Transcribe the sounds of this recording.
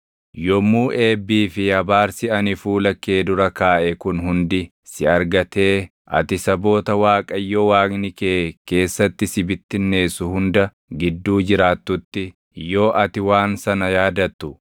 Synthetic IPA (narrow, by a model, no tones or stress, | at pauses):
jɔmːuːʔe̞ːbːiːfɪjɐbaːɾsɪɐnɪfuːlɐkːe̞ːd̪ʊɾɐkaːʔɛkʊnɦʊnd̪ɪ | sɪɐɾɡɐt̪e̞ː | ʔɐ̰t̪ɪsɐbo̞ːt̪ɐwaːkʼɐjːowaːknɪkeːke̞ːsːɐt̪ːɪsɪbɪt̪ːɪnːe̞ːsʊhʊnd̪ɐ | ɡɪd̪ːuːd͡ʒɪɾaːt̪ːʊt̪ːɪ | jo̞ːʔɐt̪ɪwaːnsɐnɐjaːd̪ɐt̪ːʊ